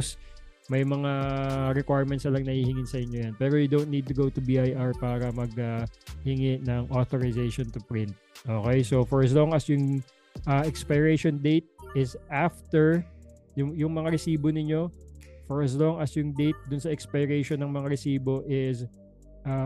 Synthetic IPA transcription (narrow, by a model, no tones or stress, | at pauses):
s | mɐjmɐŋaɾɛkwajɹmɛnt̪sɐlɐŋnɐhihɪŋɪnsɐʔɪɲːojɐnpɛːɾojʊd̪own̚nid̪̚t̪ʊɡowt̪ʊbiʔajʔaɹpaːɾɐmɐɡ̚ɐhɪŋɪnɐŋʔoθoɹɪzejʃɔnt̪ʊpɹɪnt̪̚ʔoːkɛjsofɔɹɐs̬loŋɐsjʊŋ | ʔɐʔɛkspajɹɛjʃond̪ejt̪̚ʔɪsʔaft̪ɛɹ | jʊjʊŋmɐŋaɾɛsiːbonɪɲo̞fɔɹɐs̬lɔŋɐsjʊŋd̪ejt̪̚d̪ʊnsɐʔɛkspajɾɛjʃonːɐŋmɐŋaɾɛsiːbo̞ʔɪs | ʔa